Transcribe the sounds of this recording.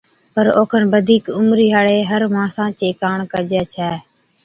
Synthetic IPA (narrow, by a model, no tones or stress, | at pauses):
pəɾo̰ːkʰənbəd̪ʱiːkʊmɾiːɦaːɽeːɦəɾʋãːsãːt͡ʃeːkaːɳkəd͡ʒɛːt͡ʃʰɛː